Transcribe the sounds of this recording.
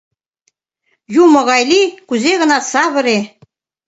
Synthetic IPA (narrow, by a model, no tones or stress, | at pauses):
jumɤ̆ɣɑjlikuzeɣə̆nɑsɑβə̆ɾe